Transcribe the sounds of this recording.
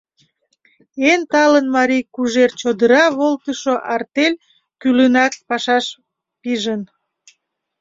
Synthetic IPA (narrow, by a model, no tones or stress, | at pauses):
ent̪ɑlənmɑɾijkuʒert͡ɕod̪əɾɑβolt̪əʃoʔɑrt̪elʲ | kylənɑk̚pɑʃɑʃ | piʒən